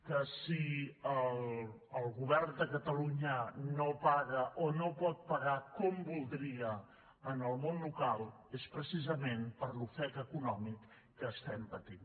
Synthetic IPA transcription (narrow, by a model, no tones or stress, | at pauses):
kəsiəl | əlˠɣuβ̞ɛrnd̪əkət̪əluɲənopaɣəʔonopɔt̪̚pəɣakɔmbulˠd̪ɾiə | ənəlˠmonlukalˠ | espɾəsizəmenpəɾlufɛkəkunɔmikː | əːst̪ɛmpət̪in